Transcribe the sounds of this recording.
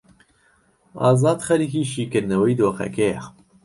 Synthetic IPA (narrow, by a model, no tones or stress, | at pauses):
ɑ̰ːzɑːd̪xɛɾiːkiːʃiːkɨɾnɐwɐjd̪oːxɛ̰kejɛ̰